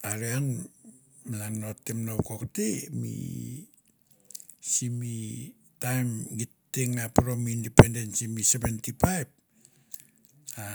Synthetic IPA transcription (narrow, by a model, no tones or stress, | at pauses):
aɾean | melaŋnotːemnowkoktemḭ | simi | tajmɡitːeŋapɾomindependensimisebentipajb̚ | a